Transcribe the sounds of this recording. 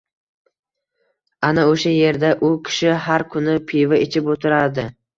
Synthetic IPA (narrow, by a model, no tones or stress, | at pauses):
anaoʃaje̞ɾd̪aʔʊkʲʰɪ̥ʃɪɦaɾkʰʊnɪpʰɪvaet͡ʃʰɪpot̪ʰɪɾad̪ɪ